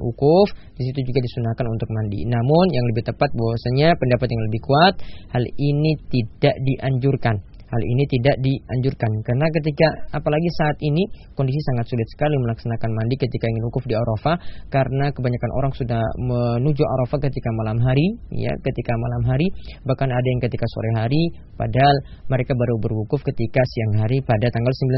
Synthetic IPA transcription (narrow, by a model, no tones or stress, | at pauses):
ʔṵkʊfdisit̪ud͡ʒuɡadisunakanunt̪ʊk̚mandḭnamʊnjaŋləbɪht̪əpat̪̚bawasaɲapəndapat̪jaŋləbɪhkuat̪̚halinit̪idaʔdiʔaɲd͡ʒurkan | halḭnit̪idaʔdiaɲd͡ʒurkankarnak̬ət̪ikaapalaɡisaːt̪inikɔndis̬isaŋat̪̚sulɪt̪̚sə̥kaliməlaksanakanmandikət̪ikaiŋɪnwukʊfdiaɾofakaɾənakəbaɲakanʔo̰ɾaŋsudahmənud͡ʒuʔa̰ɾofakət̪ikamalamɦaɾija̰kət̪ikamalamɦaɾibahkanadajaŋkət̪ikaso̰ɾaɦaɾi | pa̰dal | məɾekabaɾubərwukʊfkət̪ikasiaŋɦaɾipadat̪aŋɡalsəmbila